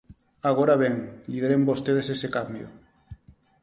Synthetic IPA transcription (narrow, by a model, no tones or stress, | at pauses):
aɣoɾaβeŋliðeɾembost̪eð̞esesekambjo̰